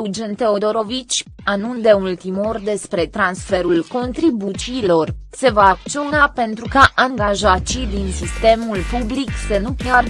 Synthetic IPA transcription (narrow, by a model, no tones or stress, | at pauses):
d͡ʒent̪e̞o̞d̪o̞ɾo̞vit͡ʃʲ | anund̪e̞ult̪imorʲd̪e̞spɾe̞t̪ɾansfe̞ɾulko̞nt̪ɾibut͡ʃiːlo̞rse̞vaːk̪̚t͡ʃio̞nape̞nt̪ɾukaʔaŋɡaʒat̪t͡ʃijd̪insist̪e̞mulpubliksənupar